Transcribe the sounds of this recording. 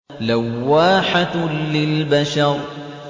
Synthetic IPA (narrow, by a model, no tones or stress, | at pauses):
lawːaːħat̪lɪlbaʃɑɾˤ